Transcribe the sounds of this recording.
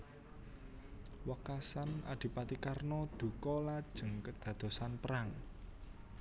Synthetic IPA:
wakasana̰d̪̥i̤pat̪ikarnɔd̪̥ṳkɔlad̥ʒ̥əŋkəd̪̥ä̤d̪̥o̤sanpəɾaŋ

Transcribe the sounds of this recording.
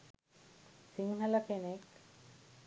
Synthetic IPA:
siŋɦɐləkenek

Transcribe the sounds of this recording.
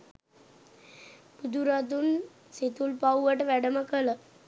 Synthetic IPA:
pud̪uɾat̪̬un | set̪ulpauʋəʈəʋɛɖəmakələ

